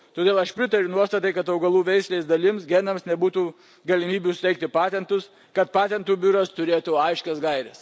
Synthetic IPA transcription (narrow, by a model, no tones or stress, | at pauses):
t̪oːd̪ʲeːlˠɐʃpʲɾʲɪt̪ɐɾʲʊnuɔst̪ɐt̪ɐɪkɐt̪ɐʊɡɐlˠuːʋʲɛɪsʲlʲeːsd̪ɐlʲɪmsɡʲɛnɐmsnʲɛbuːt̪uː | ɡɐlʲɪmʲiːbʲusʊt̪ʲɛɪkt̪ʲɪpɑːt̪ʲɛnt̪ʊs | kɐt̪pɑːt̪ʲɛnt̪uːbʲʊɾɐst̪ʊɾʲeːt̪uːɐɪʃʲkʲɛsɡɐɪɾʲɛs